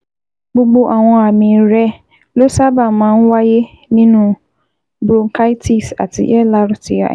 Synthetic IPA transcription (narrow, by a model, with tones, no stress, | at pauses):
ɡ͡bo˦ɡ͡bo˦ʔa˨wɔ̃˦a˨mĩ˨ɾɛ˦ | lo˦sa˦ba˨mã˨˦n̩˦wa˦je˦ | nĩ˦nũ˦ | bo˨ŋ̩˨kʰa˦i˦tʰi˨sa̰˨tʰɪ̰˨ʔɛ˦la˦ɾʊ˦tɪ˨˦a̰˨